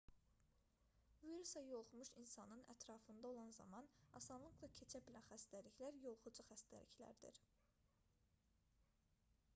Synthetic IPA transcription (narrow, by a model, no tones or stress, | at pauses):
viɾusɑjo̞lˠχumuʃinsɑnɯnæ̰t̪ʰɾɑfɯnd̪ɑo̞lˠɑnzɑ̰mɑnɑsɑnlˠɯɡlˠɑcʰe̞t͡ʃʰæbilænxæst̪æliçlæɾjo̞lˠχud͡ʒuxæst̪æ̰lḭçlæ̰ɾd̪ḭɾ